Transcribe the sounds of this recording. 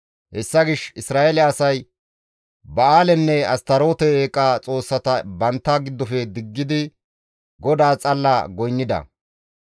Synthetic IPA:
hɛsːɐɡɪʃɪsɾaːʔelɛɐsɐj | bɐaːlɛnːɛɐst̪ɐɾo̞ːt̪ɛeːkʼːaːt͡sʼo̞ːsːɐt̪ɐbɐnt̪ːaɡɪd̪ːɔfɛd̪ɪɡːɪd̪ɪ | ɡɔd̪aːt͡sʼɐlːaɡɔjnːɪd̪ɐ̰

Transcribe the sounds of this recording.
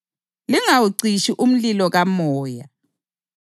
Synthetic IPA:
liŋawuǀiʃiʔum̩lilɔɣamɔːja

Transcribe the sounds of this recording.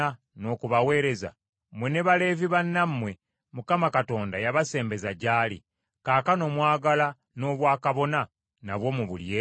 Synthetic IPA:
a | no̞ːkuβawe̞ːɾe̞za̰ | mwene̞βale̞ːviβanːamːwe̞ | mukamakato̞ːndajaβase̞ːmbe̞zaɟaːlḭ | kaːkano̞mwaːɡala | no̞ːβwaːkaβo̞na | naβwo̞muβṵlje

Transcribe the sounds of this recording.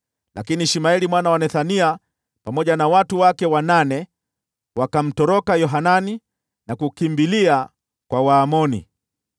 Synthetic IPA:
lakiniʃimaɛlimwanawanɛθania | pamɔʄanawatuwakɛwananɛ | wakam̩tɔɾɔkajɔɦanani | nakukimbilia | kwawaːmɔnḭ

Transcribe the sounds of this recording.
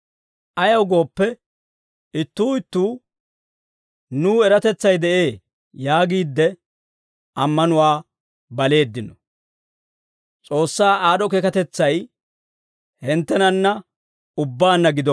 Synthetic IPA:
ʔɐjɐwɡo̞ːpːɛ | ɪt̪ːuːɪt̪ːuː | nuːɛɾɐt̪ɛt͡sːɐjd̪ɛʔe̞ː | jaːɡiːd̪ːɛ | ʔɐmːɐnʊwaː | bɐle̞ːd̪ːɪnɔ | t͡sʼo̞ːsːaːaːɗɔkekɐt̪ɛt͡sːɐj | hɪnt̪ːɛnɐnːɐ | ʊbːaːnːɐɡɪd̪ɔ

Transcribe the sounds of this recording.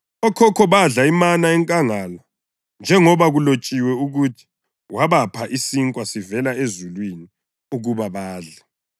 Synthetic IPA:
ɔkʰɔkʰɔβaɮaimanaɛŋkʼaŋala | nd͡ʒʱɛŋɔβaɣulot͡ʃʼiwɛuɣutʰi̥ | waβapʰaʔisiŋkʼwasivɛlaezulwini | uɣuβaβaːɮa

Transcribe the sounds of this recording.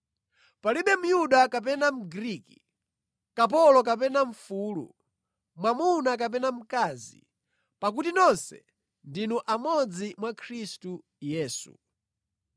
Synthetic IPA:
paliɓɛm̩juɗakap̬ɛnam̩ɡɾiːkḭ | kap̬ɔlɔk̬ap̬ɛnaɱ̩fuːlṵ | mwamunakap̬ɛnam̩kazḭ | pak̬utinɔnsɛ̰ | ndinuʔamɔd͡zimwakʰɾistu | jɛːsṵ

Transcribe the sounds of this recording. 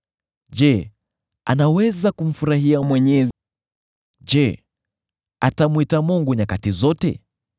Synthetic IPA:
d͡ʒɛ | a̰nawɛzakum̩fuɾaɦiamwɛɲɛ | d͡ʒɛ | atamwitamuŋɡuɲakatizɔtɛ̰

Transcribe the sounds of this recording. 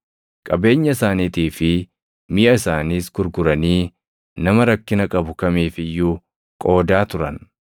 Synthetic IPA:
kʼɐbe̞ːɲːɐɪsaːniːt̪iːfɪ | mɪʔɐɪsaːniːsɡ̥ʊɾɡʊɾɐniː | nɐmɐɾɐkːɪnɐkʼɐbʊkɐmiːfɪjːʊ | kʼo̞ːd̪aːt̪ʊɾɐn

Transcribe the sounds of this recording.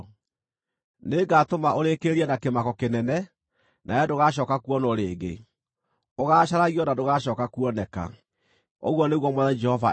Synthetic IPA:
neɡaːtomaʔoɾekeɾiɛnakemakɔkenɛnɛ | nʔaɛdoɣaɕ̬ɔːkakuɔnɔɾeːɡḛ | oɣaːɕaɾaɣiɔnadoɣaɕɔːkakuɔnɛka̰ | o̰ɣwɔneɣwɔmwɛðad͡ʒɛhɔva

